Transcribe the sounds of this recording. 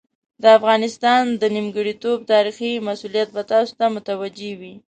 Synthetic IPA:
d̪əafɣɑnɪst̪ɑnd̪ənimɡəɽit̪ob̚t̪ɑɾiximasulijat̪̚bat̪ɑso̥t̪amʊt̪awad͡ʒewi

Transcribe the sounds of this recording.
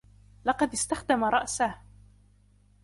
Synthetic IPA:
lɑqɑd̪ɪst̪axd̪amaɾˤɑʔsah

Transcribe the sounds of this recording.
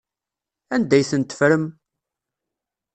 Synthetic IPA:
ænd̪æjθənt̪ə̥fɾəm

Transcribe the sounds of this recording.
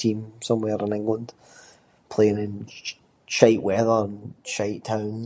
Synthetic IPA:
tʰĩmsʌ̃mwɛɹɪ̃nɪ̃ŋɡlˠə̃nd̥ | pʰl̥eɪ̃nɪ̃n | ʃaɪʔwɛðə˞ə̃nʃaɪʔtʰãʊ̃n

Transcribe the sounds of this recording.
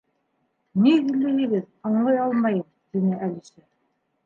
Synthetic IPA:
niɡĭlːɘ̆ɦɘ̆ɡɘð | ɑɴlˠɑjɑlˠmɑjɤm | t̪inɘʔælisɘ

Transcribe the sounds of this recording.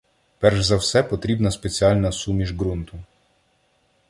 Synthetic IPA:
pɛrʒzɐwsɛpɔt̪ɾʲibnɐspet͡sʲiɑlʲnɐsumʲiʒɡɾunt̪ʊ

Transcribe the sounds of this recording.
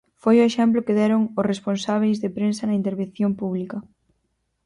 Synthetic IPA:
fojoeʃɛmplokeðɛɾoŋʊsresponsaβ̞ejzðepɾensɐnɐint̪eɾβẽnθjompuβ̞likɐ

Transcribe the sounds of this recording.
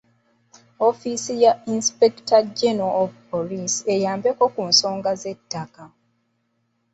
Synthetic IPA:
o̞fisijainspektaɟenaovpolise̞jaːmbeko̞kunso̞ːŋɡaze̞tːaka

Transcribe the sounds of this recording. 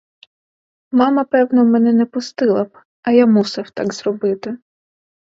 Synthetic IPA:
mɑmɐpɛwnɔmɛnɛnɛpʊst̪ɪlˠɐb | ɐjamusɪwt̪ɑ̰ɡzrɔbɪt̪ɪ

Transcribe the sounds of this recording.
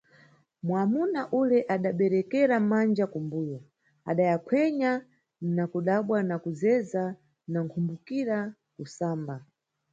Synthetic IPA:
mwamunaʔulɛʔaɗaɓɛɾɛkɛɾamand͡ʒakumbujɔ | a̰ɗajakʰwɛɲa | nakuɗaɓwanakuzɛza | naŋkʰumbukiɾa | kusaːmba

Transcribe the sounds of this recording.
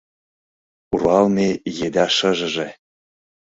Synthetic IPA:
uɾɑlnejed̪ɑʃə̆ʒə̆ʒĕ

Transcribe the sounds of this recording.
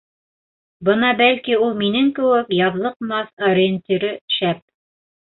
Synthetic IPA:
bɤnɑbælkiulˠminɘŋkɘ̆wɘkjɑðlˠɤqmɑθɐɾʲɪnt̪ʲiɾɘʃæp̚

